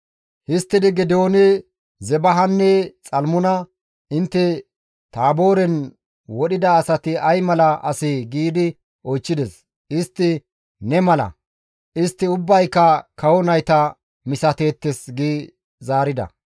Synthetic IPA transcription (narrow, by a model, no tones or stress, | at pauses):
hɪst̪ːɪd̪ɪɡɪd̪o̞ːnɪ | zɛbɐɦɐnːɛt͡sʼɐlmʊnɐ | ɪnt̪ːɛ | t̪aːboːɾɛn | wɔɗɪd̪ɐːsɐt̪ɪɐjmɐlɐʔɐsɪɡiːd̪ɪ | ɔjt͡ʃːɪd̪ɛs | ɪst̪ːɪ | nɛmɐlɐ̰ | ʔɪst̪ːɪʊbːɐjkːɐkɐwɔnɐjt̪ɐ | mɪsɐt̪e̞ːt̪ːɛsɡiː | zaːɾɪd̪ɐ̰